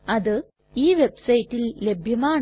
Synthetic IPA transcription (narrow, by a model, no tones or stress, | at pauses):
ɐðɯ | iːʋɛbsɐjɪʈːɪlːɛbʱjɐmaːɳ